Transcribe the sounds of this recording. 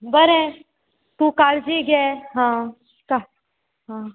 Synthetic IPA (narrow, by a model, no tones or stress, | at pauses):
bəɾe | t̪ũkaːɾd͡ʒiɡɛɦã | ka | ɦã